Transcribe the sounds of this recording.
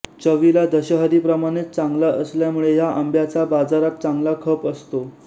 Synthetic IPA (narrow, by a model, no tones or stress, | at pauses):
t͡ɕəʋilad̪əɕəɦəɾipɾəmaɽ̃et̪t͡sãŋɡlaʔəsljamuɭeɦjaʔəmbjat͡sabad͡zaɾat̪̚t͡saŋɡlakʰəpəst̪o